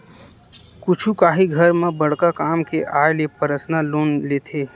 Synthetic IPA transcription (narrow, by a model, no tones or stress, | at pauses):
kʊt͡ʃʰukaːɦiɡʱɐɾmẽbɐɽkakaːmkeʔaːelepəɾəsnaloːnleːt̪ʰeː